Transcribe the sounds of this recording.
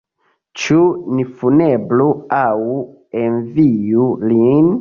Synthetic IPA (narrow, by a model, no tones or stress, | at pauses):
t͡ʃunifunebluaw | envijulin